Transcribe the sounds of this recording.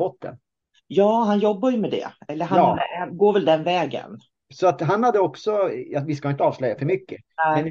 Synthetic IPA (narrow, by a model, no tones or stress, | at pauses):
ɔt̪̚ːd̪ɛ̰n | jɑːɦanjɔbːajɵmɛd̪ɛ̰ɛlːəɾɦaɡoːɾvɛld̪ɛnvɛːɡə̰n | sɔat̪ɦanhad̪ːəɔksɔjɑvɪskaɪnt̪əɑːvslœjːafœɾmʏkːə | ɛɛn